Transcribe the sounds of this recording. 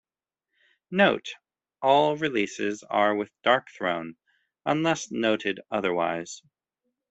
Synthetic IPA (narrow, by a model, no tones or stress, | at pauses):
noʊt | ʔɔlˠɹilisɪzə˞wɪðd̥ɑɹk̚θɹõ̰ʊ̃n | ə̃nlɛsnoʊɾɨɾʌðə˞wa̰ɪz̥